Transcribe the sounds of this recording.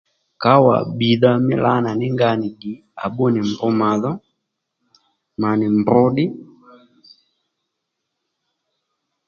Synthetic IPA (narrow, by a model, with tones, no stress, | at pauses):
ka˨˦wa̰˨ɓi˨ða˦mɪ̰˦la˦na˨nɪ˦ŋɡa˦nɪ˨di˨ | a˨ɓɔ˦nɪ˨m˨bɔ˦ma˨ðɔ˦ | ma˨nɪ˨mbɔ˦ɗɪ˦